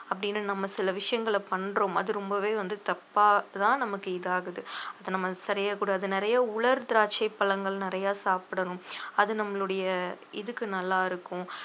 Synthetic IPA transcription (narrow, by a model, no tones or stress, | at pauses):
ɐpːɐɽɪnːɯnɐmːɐsɪlɐʋɪʂɐjɐŋɡɐɭpɐɳɾoːmɐ̰ðɯɾɔmbɐʋeːʋɐnd̪ɯt̪ɐpːaːt̪ãːnɐmɐkːɯɪðaːɣɐðɯɐðɐnɐmːɐsɐɾɐjaːkuːɽɐːðɯnɪɾɐjɐʊɭɐɾd̪ɪɾaːʈt͡ʃɐɪpːɐlɐŋɡɐɭnɪɾɐjaːsaːpɪɽɐnʊ̃mɐðɯnɐmːɐɭɯɽɐjɐɪðɯkːɯnɐlːaːɪɾɯkːʊ̃